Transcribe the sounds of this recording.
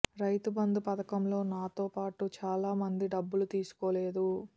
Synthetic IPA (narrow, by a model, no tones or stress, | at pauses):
ɾɐjt̪ubɐnd̪upɐd̪ɐkɐmlo̞ːnaːt̪o̞ːpaːʈut͡ʃaːlaːmɐnd̪iɖɐbːulut̪iːsu̥ko̞ːle̞ːd̪u